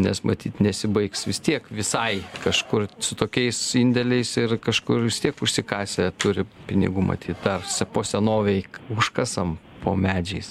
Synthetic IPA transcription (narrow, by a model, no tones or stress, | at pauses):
nʲɛ̰smʔɐ̰t̪ʲiːt̪nʲɛsʲɪbɐɪksʋʲɪst̪ʲiɛkʋʲɪsɐɪkɐʃkʊrsʊt̪oːkʲɛɪsinʲd̪ʲɛlʲɛɪsɪrkɐʃkʊrʋʲɪst̪ʲiɛkʊʃʲsʲɪkɑːsʲet̪ʊɾʲɪpʲɪnʲɪ̰ɡuːmɐ̰t̪ʲiːt̪̚d̪ɐrsʲɛpoːsʲɛnoːʋʲɛɪkʊʃkɐsɐm | pʰo̰ːmʲæːd͡ʒʲɛɪs